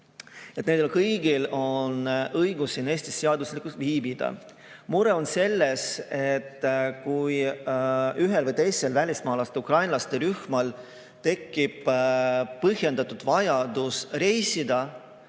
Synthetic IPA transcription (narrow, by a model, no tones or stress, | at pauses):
et̪ːˑneːd̪elkɤjɡ̥ilo̞nɤjɡusine̞ːsʲt̪isːeɑd̪uslikˑust̪viːbid̪̥ɑ̰ | muɾe̞o̞nse̞lːese̞t̪ːkuj | yɦelvɤjt̪e̞jse̞lvælʲismɑːlɑst̪eukrɑjnlɑst̪eɾyhmɑl | t̪e̞kːib̥ | pɤɦje̞nd̪̥ɑt̪ːud̪̥vɑjɑd̪̥usre̞jsid̪ɑ